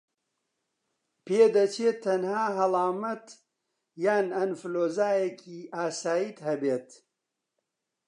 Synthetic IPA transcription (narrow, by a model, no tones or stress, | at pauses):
peːd̪ɐt͡ʃeːt̪ʰːɐnhaːɦɐlˠaːmɐt̪ | jaːnɐnfloːzaːjekʰiːʔaːsaːjiːt̪hɐbeːt̪